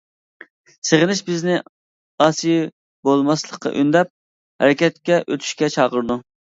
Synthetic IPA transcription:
seʁənɪʃbɪznɪ | ɑːsij | bolˠmɑslˠəqːɑ̰ʔynd̪ɛp̚ | hɛ̰ɾɛkʲɛt̪̚kʲɛʔøt̪ʰy̥ʃkʲɛt͡ʃʰɑːʁəɾd̪u

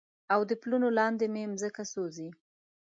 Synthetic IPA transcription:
awd̪əplunolɑnd̪ememzəkasozi

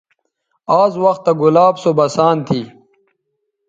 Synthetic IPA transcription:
aːzwɐxt̪ːaɡulaːbsobɐsaːnt̪ʰiː

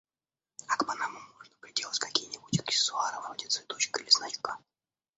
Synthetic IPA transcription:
akpɐnamʊmːo̞ʐnəpɾʲɪdʲelˠətʲkakʲijnʲibutʲɪksʲɪ̥sʊaɾəvɾodʲɪt̪svʲɪt̪o̞t͡ɕkəilʲɪsnat͡ʃkə

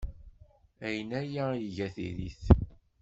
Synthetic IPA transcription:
æjənæjæjʝæθḭðḭθ

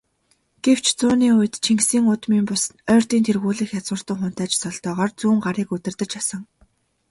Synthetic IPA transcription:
ɡ̥ew̥t͡ɕʰt͡sʊːniːʊj̆t̪t͡ɕʰiŋɡsiːŋʊt̪miːmpʊsnœːr̥t̪iːnt̪ʰerɣuːɮiːxjat͡swə̆r̥t̪ə̆ŋχʊn̥t̪æːt͡ɕsɔɮt̪œːʁɔːrt͡suːŋɢaɾiːkɵt̪ɪ̆rt̪ɘ̆t͡ɕasə̆ŋ

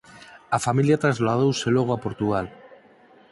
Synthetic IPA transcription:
afamiljat̪ɾazlað̞owse̞lo̞ɣ̞oapo̞ɾt̪uɣal

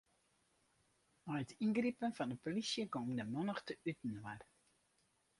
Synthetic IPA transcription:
ɔɥətʰinɡripənfɑndəpolisjəɡomdəmɔnəxtəytn̩war

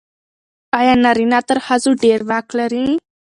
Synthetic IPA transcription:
ajanaɾinat̪əɾhazuɖeɾʋakləɾĩ

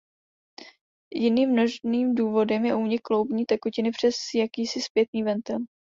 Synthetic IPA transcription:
jɪniːmːno̞ʒniːmduːvo̞dɛmjɛʔuɲɪklowbɲiːt̪ɛkocɪnɪpr̝̥ɛsjakiːsɪspjɛt̪̚niːvɛnt̪ɛl

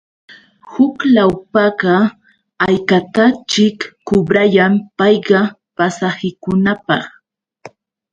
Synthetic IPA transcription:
hʊklawpɑɢɑ | ajkat̪at͡ʃɪkːʊbɾajampɑjɢɑ | pasahɪkʊnapɑ̰χ

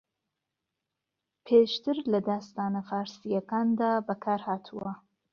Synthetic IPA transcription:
pʰeːʃt̪ɨɾlɐd̪aːst̪aːnɐfaːɾsijɐkaːnd̪aːbɐkʰaːɾhaːt̪ʰuwɐ

